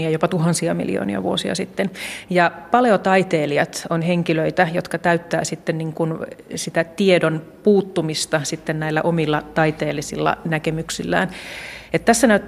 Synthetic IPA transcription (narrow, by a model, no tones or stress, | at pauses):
iɑjopɑt̪uɦɑnsiɑmḭlio̰ːnḭɑ̰ʋuosiɑ̰sit̪ːenjɑpɑleot̪ɑit̪eːliɑt̪onheŋkiløit̪æjot̪kɑt̪æyt̪ːæ̰ːsit̪ːenniŋkunsit̪æt̪iedon | puːt̪ːumist̪ɑsit̪ːennæilːæʔomilːɑt̪ɑit̪eːlːisilːɑ̰nækemyksilːæ̰ːnet̪t̪æsːænæyt̪ː